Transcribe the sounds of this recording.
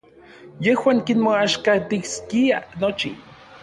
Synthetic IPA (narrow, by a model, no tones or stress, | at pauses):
jehwaːŋkinmoaʃkat̪iskianot͡ʃḭ